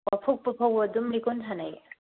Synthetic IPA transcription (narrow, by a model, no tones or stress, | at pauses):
wapʰuk̚pɯpʰawadumlikɔntʰanaj